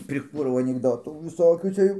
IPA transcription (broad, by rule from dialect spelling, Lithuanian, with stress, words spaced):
pʲrʲɪˈkuːrɐʊ ɐnʲɪɡˈdoːtuː ʋʲɪˈsoːkʲuː ˈt͡sʲɛ jɛʊ